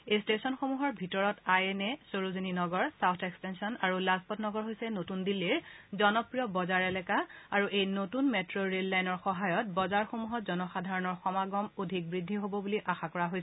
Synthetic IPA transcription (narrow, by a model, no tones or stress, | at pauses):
ejstesɔnxomuɦɔɹbʱitɔɹɔtajɛnɛsoɹozininɔɡɔɹsawtʰekstensiɔnaɹulazpɔtnɔɡɔɹɦojsɛnotundilːiɹzɔnɔpɹijɔbɔzaɹɛlɛkaaɹuʔejnotunmetɹoɹelːajnɔɹxɔɦajɔt̚bɔzaɹxomuɦɔtzɔnɔxadʱaɹɔnɔɹxɔmaɡɔmodʱik̚bɹidʱːiɦobɔbuliʔaxakɔɹaɦojsɛ